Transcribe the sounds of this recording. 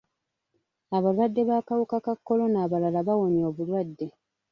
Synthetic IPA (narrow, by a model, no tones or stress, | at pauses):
aβalwadːe̞βaːkawukakakːo̞lo̞naːβalalaβawo̞njo̞ːβulwadːe̞